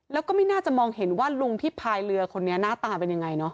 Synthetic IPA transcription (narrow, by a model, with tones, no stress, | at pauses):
lɛː˦˥wkɔː˥˩ma˥˩jnaː˥˩t͡ɕa˨˩ʔmɔː˧ŋhe˩˦nwaː˥˩lu˧ŋt̪ʰiː˥˩pʰaː˧jlɯ˧ɐkʰo˧nːi˦˥ɐnaː˥˩t̪aː˧pe˧nja˧ŋa˧jnɔ˦˥